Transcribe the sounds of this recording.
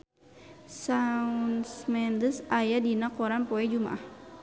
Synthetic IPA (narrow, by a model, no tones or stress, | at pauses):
sansmɛndəsajadinakɔɾanpɔɛd͡ʒuma̰ʔah